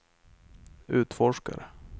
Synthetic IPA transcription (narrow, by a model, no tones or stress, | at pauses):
ʉ̟ːt̪fɔʂka̰ɾə